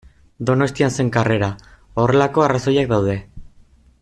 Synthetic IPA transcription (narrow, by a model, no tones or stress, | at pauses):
d̪o̞no̞st̪ianse̞ŋkare̞ɾa | o̞re̞lako̞araso̞jak̚d̪awð̞e̞